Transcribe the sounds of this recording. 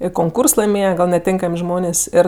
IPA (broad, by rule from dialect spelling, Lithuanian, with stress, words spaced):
ɪr koːŋˈkuːrs lˠɐɪˈmʲeːjɛ ɡɐlʲ nʲɛˈtʲeːŋkɐmʲ ˈʒmoːnʲeːsʲ ˈeːr